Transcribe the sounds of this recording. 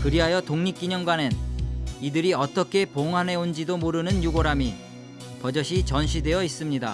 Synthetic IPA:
kɯɾiɦajʌtoŋɲik͈iɲʌŋɡwanenidɯɾiʌt͈ʌkʰe̞poŋɦane̞ond͡ʑidomoɾɯnɯnjuɡoɾami | pʌd͡ʑʌɕʰit͡ɕʌnɕʰide̞jʌis͈ɯmɲida

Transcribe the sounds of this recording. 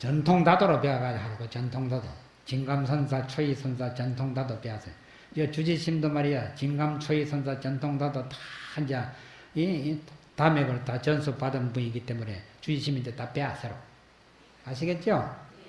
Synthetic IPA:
t͡ɕʌntʰoŋt̪ad̪oɾopeɡaɡad͡ʑɦaɾiɡot͡ɕʌnt̪ʰoŋd̪ad̪o̰ | t͡ɕiŋɡamsʰʌns̬ʰat͡ɕʰojisʰʌnsʰat͡ɕʌnt̪ʰoŋtad̪opeasʰe | iʌt͡ɕud͡ʑiɕʰimd̪omaɾijat͡ɕiŋɡamt͡ɕʰoisʰʌns̬ʰat͡ɕʌnt̪ʰoŋd̪adotʰḁand͡ʑia | it̪ameɡɯɾt̪at͡ɕʌnsʰupad̪ɯmbuniɡit͈emunet͡ɕud͡ʑiɕʰimind̪et̪apeasʰeɾo | aɕ̬iɡet̚t͡ɕ͈io

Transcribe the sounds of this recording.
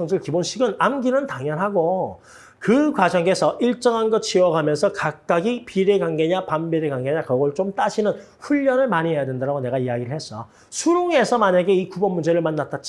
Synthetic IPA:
ʌŋsɯɭkibonɕʰiɡɯnamɡinɯntaŋjʌnɦaɡo | kɯkwad͡ʑʌŋe̞sʰʌʔiɭt͡ɕ͈ʌŋɦanɡʌt͡ɕʰiwʌɡamjʌnsʰʌkak̚k͈aɡipiɾeɡaŋɡeɲapambiɾeɡwaŋɡe̞ɲakʌɡʌɭt͡ɕomt͈aɕʰinɯn | ɸuʎːʌnɯɭmaɲiɦe̞jadwendaɾaɡone̞ɡaijaɡiɾɯɭhe̞s͈ʌo | sʰuɾoŋe̞sʰʌmaɲaɡe̞ikubʌnmund͡ʑe̞ɾɯɭmanːat͈ʰat̚t͡ɕ͈

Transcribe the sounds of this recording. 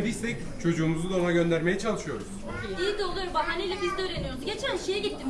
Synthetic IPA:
bisɛc | t͡ʃʰo̞d͡ʒuːmuzud̪amaɟø̞nd̪æɾme̞jɛt͡ʃʰalˠɯʃɯjo̞ɾuz̥ | id̪o̞lˠaɾumbaɦanelʲɛbizd̪ɛøːɾe̞nijo̞ɾuzɟe̞t͡ʃʰænʃejɛɟit̪ʰːim

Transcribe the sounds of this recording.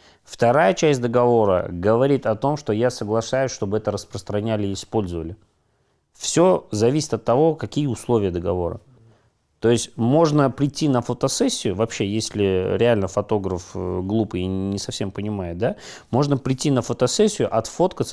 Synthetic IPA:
ft̪ɐɾajət͡ɕæsʲtʲd̪əɡɐvo̞ɾə̰ɡəvɐɾʲit̪ɐt̪o̞mʂt̪o̞jasəɡlˠɐʂajʊsʲʂt̪o̞bɨɛt̪əɾəspɾəst̪ɾɐnʲælʲɪːɪspo̞lʲzəvəlʲɪ | fsʲo̞zɐvʲisʲɪ̥t̪ɐt̪ːɐvo̞kɐkʲijəʊslˠo̞vʲɪjəd̪əɡɐvo̞ɾə̰ | t̪o̞ɪsʲtʲmo̞ʐnəpɾʲɪtʲːinəfət̪ɐsɛsʲːɪjʊvɐpɕːe̞jesʲlʲɪɾʲɪalʲnəfɐt̪o̞ɡɾəfɡlˠupɨɪnʲɪsɐfsʲe̞mpənʲɪmajʊt̪̚d̪a | mo̞ʐnəpɾʲɪtʲːinəfət̪ɐsɛsʲːɪjʊʔɐt̪fo̞t̪kət̪s

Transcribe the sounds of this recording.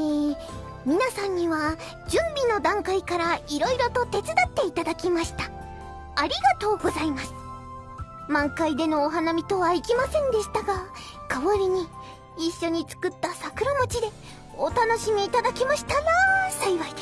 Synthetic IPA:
e | mʲinasãɲ̟ːiβa | d͡ʑɨ̃mbʲino̞d̪ãŋkaikaɾaiɾo̞iɾo̞t̪o̞t̪e̞t͡sɨd̪at̪ːe̞it̪ad̪akʲimaɕi̥t̪ḁ | aɾʲiɡat̪o̞ːɡo̞zaimasɨ̥ | mãŋkaid̪e̞no̞ːɦanamʲit̪o̞βaikʲimasẽ̞nd̪e̞ɕi̥t̪aɡa | kaβoɾʲiɲ̟iː | ɕːo̞ɲ̟it͡sɨ̥kɯ̟t̪ːasakɯ̟ɾomot͡ɕid̪e̞ | ot̪ano̞ɕimʲiːt̪ad̪akʲimaɕi̥t̪anasaiβaid̥̪e

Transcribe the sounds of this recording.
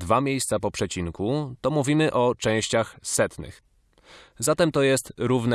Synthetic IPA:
d̪vamʲjejst̪sapɔpʂɛt͡ɕiŋkut̪ɔmuvʲimɘʔɔt͡ʂɛ̃w̃ɕt͡ɕaxsɛt̪nɘ̰x | zat̪ɛmt̪ɔjɛst̪ɾuvnɛ

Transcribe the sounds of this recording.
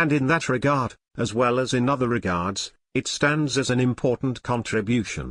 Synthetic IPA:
ɨ̃nɨ̃nðɨt̚ɹɨɡɑɹɾ | ɨzwɛlˠəzɨ̃nʌðə˞ɹɨɡɑɹdz̥ | ɨtstæ̃ndzɨzɨ̃nɨ̃mpʰɔɹʔn̩kʰɑ̃ntʰɹ̥ɨbjʉʃɨ̰̃n

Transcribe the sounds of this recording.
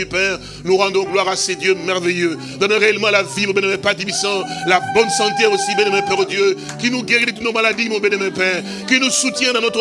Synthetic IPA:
ypɛʁ | nuʁɑ̃d̪ɔ̃ɡlwaʁased̪jømɛʁvejø | d̪ɑ̃nɔʁeɛlmɑ̃lavimɔ̃bɛnɛmɛ̃pat̪ifisɑ̃labɔnsɑ̃t̪eosibɛnɛmɛ̃pɛ̃ʁod̪jø | kinuɡeʁid̪ət̪̬ut̪nomalad̪imɔ̃bɛnɛmɛ̃pɛ̃ʁ | kinusut̪jɛ̃d̪ɑ̃nɔt̪ʁə

